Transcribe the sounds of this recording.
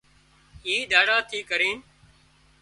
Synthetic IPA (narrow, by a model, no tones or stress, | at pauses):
iːd̪aːɽaːt̪ʰiːkəɾiːn